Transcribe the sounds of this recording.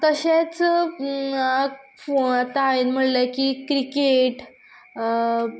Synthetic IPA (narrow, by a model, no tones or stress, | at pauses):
t̪əɕet͡s | foat̪aaenm̤əɽlekikɾikeʈ